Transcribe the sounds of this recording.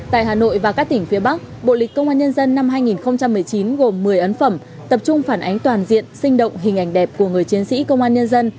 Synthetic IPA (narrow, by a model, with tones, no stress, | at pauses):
t̪a̰ː˧˨jɦaː˨˩no̰˧˨jvaː˨˩kaː˦˥k̚t̪ï˧˩ŋ̟fi˨˦əɓa˦˥k̚ɓo̰˧˨lï˨˩kkə˧wŋ͡mʔaː˧ɲə˧nzə˧nːa˧mɦaː˧jŋi˨˩nxə˧wŋ͡mt͡ɕa˧mːɨ˨˩əjt͡ɕi˨˦nɣo˨˩mːɨ˨˩əjʔə˨˦nfə˧˩m | t̪ə˨˩p̚t͡ɕʊ˧ŋ͡mfaː˧˩nʔa˨˦jŋ̟t̪waː˨˩nzḭ˧˨ənsï˧ŋ̟ɗə̰˧˨wŋ͡mɦï˨˩ŋ̟ʔa˧˩jŋ̟ɗɛ˨˩p̚ku˧˩əŋɨ˨˩əjt͡ɕi˨˦ənsḭ˧˥kə˧wŋ͡mʔaː˧nɲə˧nzə˧n